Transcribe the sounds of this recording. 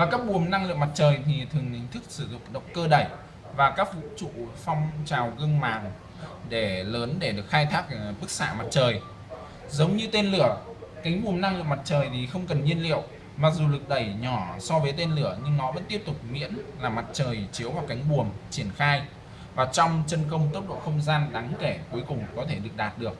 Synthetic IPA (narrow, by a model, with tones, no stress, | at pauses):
vaː˨˩kaː˦˥k̚ɓu˨˩əmna˧ŋlɨ̰˧˨əma˨˩t̚t͡ɕəː˨˩jt̪ʰi˨˩t̪ʰɨ˨˩əŋhï˨˩ŋ̟t̪ʰɨ˦˥k̚sɨ˧˩zʊ̰˧˨ŋ͡mɗə̰˨˩˨wŋ͡mkəː˧ɗə˧˩j | vaː˨˩kaː˦˥k̚vṵ˧˥t͡ɕṵ˧˨fɔ˧wŋ͡mt͡ɕaː˨˩wɣɨ˧əŋmaː˨˩ŋ | ɗe˧˩ləː˨˦nɗe˧˩ɗɨ˨˩ək̚xaː˧jt̪ʰaː˦˥k̚ɓɨ˦˥k̚sa̰ː˧˨ma˨˩t̚t͡ɕəː˨˩j | zə˨˦wŋ͡mɲɨ˧t̪e˧nlɨ˧˩əka˨˦ŋ̟ɓu˨˩əmna˧ŋlɨ̰˨˧˨əkma˨˩t̚t͡ɕəː˨˩jt̪ʰi˨˩xə˧wŋ͡mkə˨˩nɲi˧ənlḭ˧˨əw | maː˨˩k̚zu˨˩lɨ˨˩k̚ɗə˧˩jɲɔ˧˩sɔ˧vəː˨˦jt̪e˧nlɨ˧˩əɲɨ˧ŋnɔ˨˦və̰˧˥nt̪i˦˥əp̚t̪ʊ˨˩k͡p̚mḭ˧˥ənlaː˨˩ma˨˩t̚t͡ɕəː˨˩jt͡ɕi˨˦əwvaː˨˩ka˨˦jŋ̟ɓu˨˩əmt͡ɕi˧˩ənxaː˧j | vaː˨˩t͡ɕɔ˧wŋ͡mt͡ɕə˧nkə˧wŋ͡mt̪ə˦˥p̚ɗo̰˧˨xə˧wŋ͡mzaː˧nɗaː˨˦ŋke˧˩ku˨˦əjkʊ˨˩ŋ͡mkɔ˨˦t̪ʰe˧˩ɗɨ˨˩ək̚ɗaː˨˩t̚ɗɨ˨˩ək̚